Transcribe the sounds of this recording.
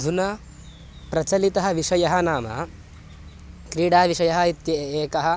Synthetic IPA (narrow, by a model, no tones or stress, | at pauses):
d̪ʱunɐ | pɾɐt͡ʃɐlit̪ɐɦɐ̆ʋiʂɐjɐɦɐnaːmɐ̰ | kɾiːɽaːʋiʂɐjɐɦɐit̪jɐeːkɐɦɐ̆